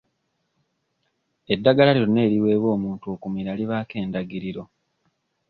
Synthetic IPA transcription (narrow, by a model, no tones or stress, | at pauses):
e̞dːaɡalaliɾone̞ːɾiwe̞ːβwo̞ːmuːntuokumiɾaliβaːke̞ːndaɡiɾiɾo̞